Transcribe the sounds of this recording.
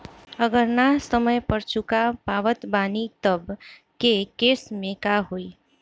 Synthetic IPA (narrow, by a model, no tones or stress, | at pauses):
əɡəɾnasəməjpəɾt͡ʃukapaʋət̪banit̪əb | kekesmẽkaɦoi